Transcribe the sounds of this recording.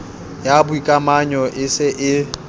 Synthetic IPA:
jabʊikʼamaɲɔʔɪsɪʔɪ

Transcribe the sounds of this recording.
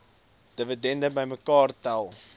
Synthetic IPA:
d̥əvədɛndəbəjməkɑːrtælˠ

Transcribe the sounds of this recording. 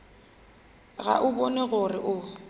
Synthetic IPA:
ɣa̰ʔʊbɔnɛɣʊrɪʔʊ

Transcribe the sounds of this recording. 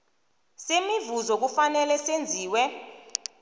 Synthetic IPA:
semivuzɔk̬ufanɛlɛsend͡zʱiːwɛ

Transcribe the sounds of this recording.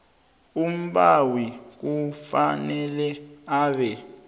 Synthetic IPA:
um̩ɓawik̬ufanɛlɛaːɓɛ

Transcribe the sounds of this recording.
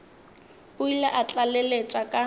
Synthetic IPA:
bʊilaʔat͡ɬʼalɛlet͡sʼakʼa

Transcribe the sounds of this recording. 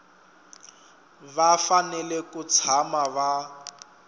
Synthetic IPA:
βafanɛlɛkut͡sʰamaβa

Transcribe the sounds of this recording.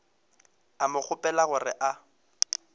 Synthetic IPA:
amʊk͡xʰʊpʼɛlaɣʊrɪ̰ʔa

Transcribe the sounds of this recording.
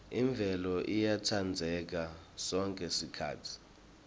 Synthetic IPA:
iɱb̪vʱɛlɔʔijatʰand͡zʱɛk̬asɔŋkʼɛsikʰa̰ːtʰi̥

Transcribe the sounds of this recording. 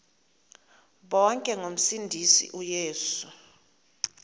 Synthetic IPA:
ɓɔŋkʼɛŋom̩sindʱisḭʔujeːsu

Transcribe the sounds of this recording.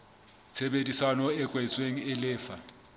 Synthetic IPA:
t͡sʰebedisanɔɛkʼwɛt͡sʼweŋ̩ɪlɪːfa

